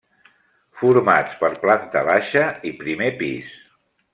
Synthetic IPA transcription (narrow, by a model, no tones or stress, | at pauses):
fuɾmat͡spəɾplant̪ə̰βaʃəipɾimepḭs